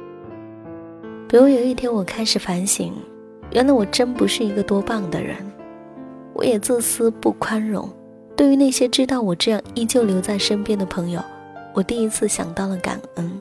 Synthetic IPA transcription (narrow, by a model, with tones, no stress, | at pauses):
pi˨˩ɻu˥jo˨˩ʊi˥˩t̪ʰjɛ˥nwɔ˨˩kʰa˥ɪʂɻ̩˨˩fa˧˥nɕḭ˧˥ŋ | ɥʔɛ̰˧˥nla˧˥ɪwɔ˨˩ʈ͡ʂə˥npu˧˥ʂɻ̩˥˩i˧˥ɡə˧t̪wɔ˥pɑ˥˩ŋd̪ə̰˨ɻə̰˧˥n | wɔ̰˧˥jɛ˨˩t͡sɹ̩˥˩sɹ̩˥pu˥˩kʰwa˥nɻʊ̰˧˥˦ŋ | t̪we˥˩ɪy˧˥na˥˩ɪɕjɛ˥ʈ͡ʂɻ̩˥t̪ɑ˥˩ʊwɔ˨˩ʈ͡ʂɤ˥˧jɑ˥˧ŋi˥˩t͡ɕjo˥˩ʊljo˧˥ʊt͡sa˥˩ɪʂə˥npjɛ˥nd̪ə˨pʰɤ˧˥ŋjo˨˧ʊ | wɔ˨˩t̪i˥˧i˥t͡sʰɹ̩˥˩ɕjɑ̰˨˩ŋt̪ɑ˥˩ʊlə˩ka̰˨˩nə˥n